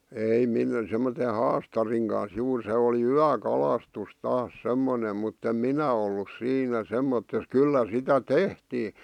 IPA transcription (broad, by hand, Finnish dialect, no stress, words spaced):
ei min semːote hɑːstɑriŋ kɑns juːr se oliˑ yækɑlɑstus tɑːs semːonem mutː em minæ olːus siːnæ semːotːes kylːæ sitæ tehtiː